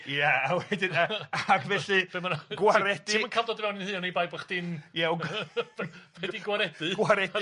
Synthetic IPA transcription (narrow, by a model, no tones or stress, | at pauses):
jaawɛdɪnaaaɡvɛɬɨ̥ɛmanɡwaɾɛdɨmənkʰavdɔdəvɛwnɪnhɨːɔnejbajbaχd̥ɪnja | ɛdiɡwaɾɛdɨɡ̥waɾɛd